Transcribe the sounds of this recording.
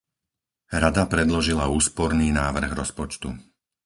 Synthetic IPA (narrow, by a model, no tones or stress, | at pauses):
ɾad̪apɾɛd̪lɔʒilauːspɔɾniːnaːʋr̩ɣɾɔspɔt͡ʃt̪u